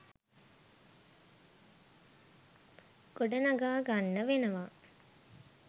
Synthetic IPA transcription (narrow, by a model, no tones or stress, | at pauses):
ɡ̥oɖənɐɡaːɡanːəʋenəʋa